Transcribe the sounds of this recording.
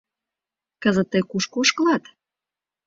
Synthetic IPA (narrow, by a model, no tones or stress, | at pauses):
kəzət̪ːəjkuʃkooʃkəlɑt̪